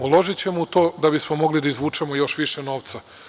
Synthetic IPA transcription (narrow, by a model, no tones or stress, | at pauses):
ulˠo̞ʒit͡ɕe̞mout̪o̞ːd̪abismo̞mo̞ɡlid̪aizʋuːt͡ʂemojo̞ʃʋiʃeno̞ːʋt̪sa